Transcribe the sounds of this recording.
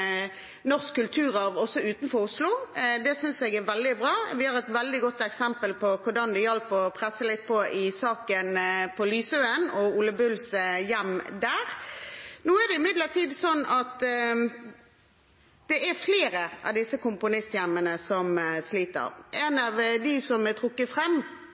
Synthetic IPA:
nɔʁskʰːʉlt̪ʰʉːʁəʁɔsɔʉːt̪nfɔʁʊslʊd̪ɛsʏnsɛɡæʋɛld̪ɪbʁɑːʋɪhɑʁɛt̪ʋɛld̪ɪɡɔt̪ːɛksɛmpəlpʰɔkʰʊʁɖ̪ɑnd̪ɛjœlpɔpʰʁɛsːəlɪt̪̚ːpʰɔʔɪsɑːkənpʰɔlyːsøənɔuːləbʉlsjɛmd̪æːʁ | nuːæd̪ɛɪmɪd̪ləʁt̪ʰiːd̪sɔnːɑt̪ | d̪̥ɛʔæɾfleːɾəʔɑ̰ʋd̪ɪsːəkʊmpʊnɪst̪jæmːənəsɔmsliːt̪ə̰ɾʔɛnɑʋd̪ɪsɔmæt̪ʰɾʊkːəfʁɛmː

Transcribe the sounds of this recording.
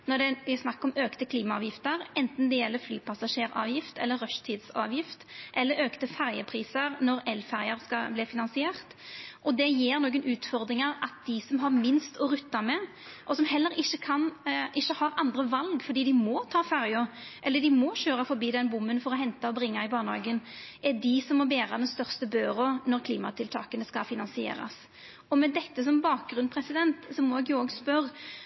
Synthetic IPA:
nɔɖ̪ɛʋɪsnɑkːɔmøːkt̪əkʰliːmɑɑːʋjɪft̪əɾɛnt̪n̩d̪ɛjɛlːəflyːpʰɑsɑʂeːɾɑ̰ːʋjɪft̪ɛ̰lːəɾːœʃt̪ʰiːd̪sɑ̰ːʋjɪft̪ʔɛlːəɾøːkt̪əfæɾjəpʰɾiːsəɾnɔɾɛlfæɾjəɾskɑblɪːfɪnɑnsɪeːʁt̪ʔɔd̪ɛjeːɾnuːɡənʔʉːt̪fɔɾd̪ɾɪŋəɾʔɑt̪̚d̪ɪsɔmɦɑʁmɪnst̪ɔɾʉt̪ːɑmɛ | ʔɔsɔmhɛlːəɾɪçːəkʰɑnʔɪçːəhɑɾɑnd̪ɾəʋɑlɡfɔɾd̪iːd̪ɪmɔt̪ʰɑːfæʁjɔʔɛlːəd̪ɪmɔɕøːɾɑfɔɾbiːd̪ɛnbʊmːənfɔɾɔɦɛnt̪ɑɔbɾɪŋːɑɪbɑːʁnəhɑ̰ɡənʔɛd̪ɪsɔmːɔbeːɾɑd̪ɛnst̪œʁst̪əbøːɾɔnɔʁkʰliːmɑ̰t̪ʰɪlt̪ʰɑ̰ːkənəskɑfɪnɑnsɪḛːɾɑ̰s | ɔmɛd̪ɛt̪ːəs̬ɔmbɑːk̚ɡɾʉnpʰɾɛsɪd̪ɛnt̪sɔmːɔɛɡjʊɔːɡspœɾ

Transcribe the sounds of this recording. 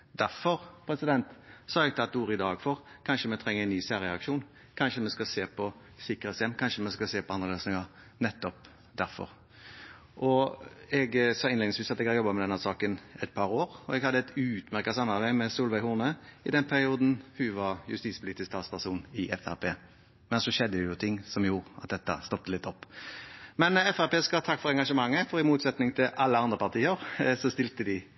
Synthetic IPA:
d̪æɾfɔɾpʰɾɛsɪd̪ɛnt̪sɑːɛɡ̚t̪ʰɑt̪̚d̪uːɾəɪd̪ɑːɡfɔʁkʰɑnʃəmɛt̪ʰɾɛŋːəɛnyːsæːʁɾəɑkʂuːn | kʰɑnʂəmɛskɑseːpʰɔ | sɪkːəʁɛt̪sjɛmkʰɑnʂəmɛskɑseːpɔɑnəløːsnɪŋɑ | nɛt̪ːɔp | d̪æɾfɔ̰ɾ | ʔɔɛɡsɑːɪnlɛɡd̪ɪsiːsɑt̪ɛɡhɑjɔbːɑmɛd̪ɛnːæsɑːkənɛt̪̚pʰɑɾoːɾɔɛɡhɑd̪ːəɛt̪ʰʉːt̪mæɾkɑsɑmːɑʋæɪmɛsuːlʋæɪhuːʁnəɪd̪ɛnpʰæɾɪuːd̪n̩hʉʋɑʁjʉ̰st̪iːspʰʊliːt̪ɪskst̪ɑːt̪spʰæʁʂuːnɪʔɛfæ̰peː | mɛnsɔʃɛd̪ːəjʊt̪ʰɪŋːsɔmjuːɾɑ̰t̪̚d̪ɛt̪ːɑ̰st̪ɔp̚t̪əlɪt̪ːɔpːmɛnɛfæpeːskɑt̪ʰɑkːfɔɾɛŋɡɑʂəmɑŋːəfɔɾɪmuːt̪sɛt̪nɪŋt̪ʰɪlʔɑlːəɑnd̪ɾʁəpʰɑʁt̪ʰiːəɾsɔst̪ɪlt̪əd̪ɪ

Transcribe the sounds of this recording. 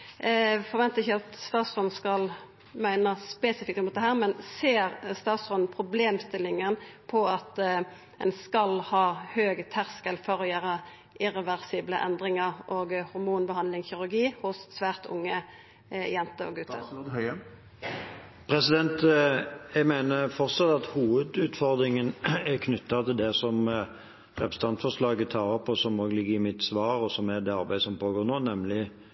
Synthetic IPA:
fɔʁʋɛnt̪əɪçəɑt̪st̪ɑːt̪sɔnskɑl | mæɪnəspeːsɪfɪk̚t̪mʊt̪d̪ɛɦæːʁmɛnseːʁst̪ɑːt̪sfɔnpʰʁʊbleːmst̪ɪlːɪŋənpʰɔɑt̪ | ɛ̰nskɑlhɑːhøːɡət̪ʰæʁskəlfɔʁɔjæːɾə | ʔɪʁɛʋæʁsiːbləʔɛnd̪ʁɪŋəʁʔoːɡhʊɾmuːnbəhɑnd̪lɪŋçɪʁʉʁɡiːhʊsːʋæːʁt̪ʊ̰ŋːə | jɛnt̪əɔ̰ɡʉt̪ːə̰ɛ | pʰʁɛsɪd̪ɛnt̪jæɡmæɪnəfɔʁt̪sɑt̪ːɑt̪huːʋəd̪ʉːt̪fɔʁd̪ɾɪŋənækʰnʉt̪ːɑt̪ʰɪld̪ɛsɔm | ʁɛpɾəsəɑnt̪fɔʁʂlɑːɡət̪ʰɑːʁəpʰɔsɔmoːɡlɪɡːəɪmɪt̪sʋɑːɾɔsɔmɛd̪ɛɑʁbæɪsɔmpʰoːɡoːnoːnɛmlɪ

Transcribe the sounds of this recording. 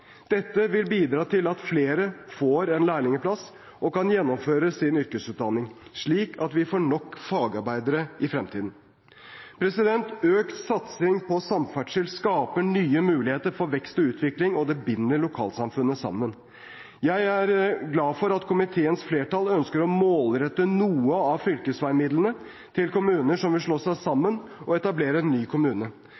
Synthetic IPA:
d̪̥ɛt̪ːəʋɪlbiːd̪ɾɑːt̪ʰɪlɑt̪fleːɾəfoːɾɛnlæːɭɪŋəpʰlɑs | ʔɔkɑnjɛnːɔmføːɾəsɪnʏɾkəsʉːt̪̚d̪ɑnːɪŋʂɭiːkʰɑt̪ʋɪfoːɳɔkːfɑːɡɑɾbæɪd̪əɾəɪfɾɛmt̪ʰiːd̪n̩ | pʰɾɛsɪd̪ɛnt̪øːkt̪sɑt̪sɪŋpʰɔsɑmfæʈʂɪlskɑːpəɳyːəmʉːlɪheːt̪əɾfɔɾʋɛkst̪ɔʉːt̪ʰʋɪklɪŋɔd̪ɛbɪnːəɭʊkʰɑ̰ːlsɑmfʉnːəsɑ̰mːən | jæɪæɾɡlɑːfɔɾɑt̪kʰʊmɪt̪ʰeːənsfleːʈɑlœnskəɾɔmoːlɾɛt̪ːənuːəɑʋfʏlkəsʋæɪmɪd̪lənə | t̪ʰɪlkʊmʉːnəʂɔmʋɪlʂɭɔsɑsɑmːənɔɛt̪ɑbleːɾəɛnːyːkʰʊmʉːnə

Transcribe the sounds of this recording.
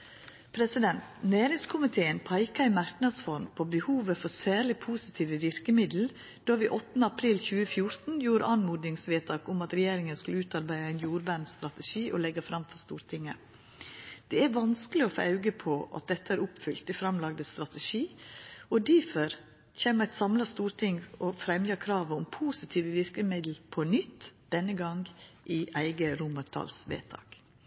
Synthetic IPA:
pʰɾɛsɪd̪ɛnt̪neːɾɪŋskʰʊmɪt̪ʰeːənpʰɑɪkɑɪmɑɾknɑd̪sfɔɾmpʰɔbəhuːʋəfɔɾsæːɾɭɪpʰuːsɪt̪ʰiːʋəʋɪɾkəmɪd̪l̩ | d̪̥oːʋiːʔɔt̪ːnəɑpʰɾiːlçʉːəfjʊɾt̪n̩juːɾɑnmuːd̪nɪŋsʋeːt̪ɑːkʊmɑt̪ɾɛjeːɾɪŋənskʉləʉːt̪ɑɾbæɪɑæɪnjuːɾʋæːɳst̪ɾɑt̪əʃiːʔɔlɛɡɑfɾɑmfɔst̪uːɾt̪ʰɪŋːə | d̪̥ɛæɾʋɑnskəlɪɔfɑ̰ʉɡəpʰɔʔɑ̰t̪̚d̪ɛt̪ːəæːɾʊpfʏlt̪ɪfɾɑmlɑɡd̪əst̪ɾɑt̪əʃiːɔd̪ifœɾ | çeːmæɪt̪sɑmlɑst̪uːɾt̪ʰɪŋɔfɾɛmjɑkʰɾɑːʋəʊmpʰuːsɪt̪ʰiːʋəʋɪɾkəmɪd̪l̩pʰɔnʏt̪ːd̪̥ɛnːəɡɑŋɡʔɪʔæɪɡəɾʊmɑt̪ʰɑ̰ːlsʋḛːt̪ʰɑ̰ːk

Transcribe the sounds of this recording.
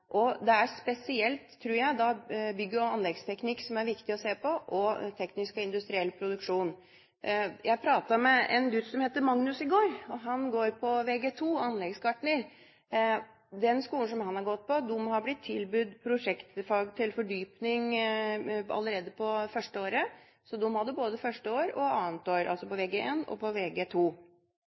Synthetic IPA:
ʔɔd̪ɛæɾspɛsɪɛlt̪ʰːɾuːɾjæɪd̪ɑbʏɡːəɔɑnlɛɡst̪ʰɛknɪkːsɔmæɾʋɪkt̪ɪɔseːpɔʔɔt̪ʰɛknɪskɔɪnd̪ʉst̪ɾɪɛlːpʰɾʊd̪ʉkʂuːn | jʔæɪpʰɾɑːt̪ɑmɛɛ̰nɡʉt̪ːsɔmheːt̪əmɑŋnʉsɪɡoːɾɔɦɑnɡoːɾpʰɔʋeːɡeːt̪ʰuːɑnlɛɡskʰɑʈɳəɾ | d̪ɛnskuːl̩ʂɔmhɑnhɑɾɡɔt̪̚ːpɔd̪ʊmhɑɾblɪt̪ʰːɪlbʉd̪pʰɾʊʂɛkt̪fɑːɡt̪ʰɪlfɔɖyːpnɪŋ | ɑ̰lːəɾeːd̪əpʰɔfœʂʈəoːɾə | sɔd̪ʊmːhɑd̪ːəboːd̪əfœʂʈəoːɾɔ̰ɑːnət̪oːɾʔɑ̰lsɔpɔʋeːɡeʔeːnɔ̰pɔʋeːɡeːt̪ʰuː

